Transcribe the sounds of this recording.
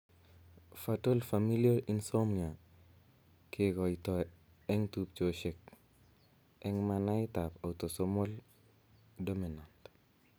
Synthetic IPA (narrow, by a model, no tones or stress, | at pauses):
fatolfamiliaɾinsomɲa | kʰekɔjtɔ | ɛŋtup̚t͡ʃoʃɛk̚ | ʔɛŋmanajtapawtosomol | dominant